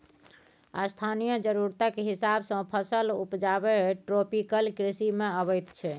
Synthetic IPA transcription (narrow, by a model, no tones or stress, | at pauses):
ast̪ʰanijəd͡ʒəɾuɾt̪akeɦisabsə̃pʰəsəlupd͡ʒabeʈɾopikəlkɾisimeəbəjt̪t͡ʃʰɛ